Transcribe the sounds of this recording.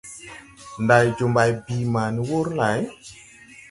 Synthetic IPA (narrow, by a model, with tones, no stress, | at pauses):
nda˨jd͡ʒo˨mba˨jbi˨ma˨ni˦wo˦ɾla˨˦j